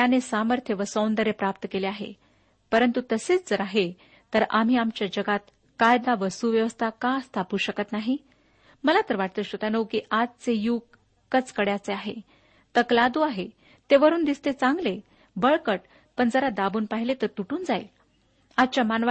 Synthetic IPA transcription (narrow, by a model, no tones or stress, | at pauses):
t̪janesaməɾt̪ʰjəʋəsownd̪əɾepɾap̚t̪əkeleaɦḛ | pəɾənt̪ut̪əseːt͡sd͡zəɾaɦe | t̪əɾam̤iːamt͡ɕjad͡ʑəɡat̪ | kajd̪aʋəsuʋjəʋəst̪ʰakãəst̪ʰapuːɕəkət̪naɦi | məlat̪əɾʋaʈ̚t̪əːɕot̪anəwkiʔad͡zt͡sejuɡ | kːət͡skəɽjat͡seaɦḛ | t̪əklad̪uaɦe | t̪eʋəɾuːnd̪ist̪et͡sãŋɡle | bəɭkəʈ̚ | pəɳd͡zəɾad̪abuːnpaɦilet̪əɾt̪uʈuːnd͡zaj | ad̪̚t͡ɕjamanʋa